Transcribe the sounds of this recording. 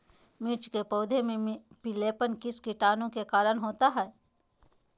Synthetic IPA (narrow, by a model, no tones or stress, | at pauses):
mɪɾt͡ʃkepɔːd̪ʱemẽpileːpənkɪskɪʈaːnõkekaːɾəɽ̃ɦoːt̪aɦɛː